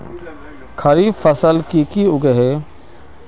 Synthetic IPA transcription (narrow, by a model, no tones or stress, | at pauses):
kʰɐɾiːfəsəlkikiʊɡeɦeː